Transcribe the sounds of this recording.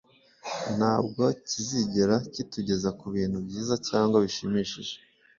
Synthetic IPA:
n̥aːb̚ɡo̞ciziɟeɾacituɟe̞zakuβiːnhubɟiːzacaːŋɡwaβiʃimiːʃiʒe

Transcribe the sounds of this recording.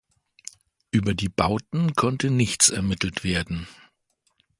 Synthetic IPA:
ʔyːbɐdiːbaʊtn̩kʰɔntənɪçt͡sɛɐmɪtl̩tv̥eːɐdn̩

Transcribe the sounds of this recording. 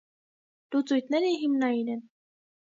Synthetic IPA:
d̪̥ut͡sujt̪̚nɛɾiɦimnɑjinɛn

